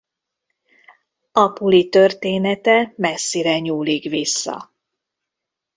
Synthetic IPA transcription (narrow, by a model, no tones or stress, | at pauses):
ɒpulit̪ø̞rt̪eːnɛt̪ɛmɛsːiɾɛɲuːlikʋisːɒ̰